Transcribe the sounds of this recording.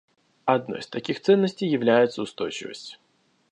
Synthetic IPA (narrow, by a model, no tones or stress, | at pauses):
ɐd̪nɔ̰jst̪ɐkʲixt̪sɛnːəsʲtʲɪjːɪʋlʲæjɪt̪sːɐʊst̪ɔjt͡ʃɪ̰və̰sʲtʲ